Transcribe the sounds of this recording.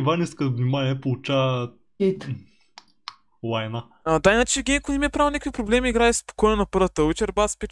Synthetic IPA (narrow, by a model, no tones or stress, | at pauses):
vaniskəvnimanʲiɛpolˠut͡ʃa | it̪ | lˠajna | ad̪ainat͡ʃɛɡʲɛmkonɛmiɛpɾavlonʲɛkvipɾoblɛmiːɡɾaɛspo̥kojnonɐpɤɾvət̪əwit͡ʃɛɾbaspi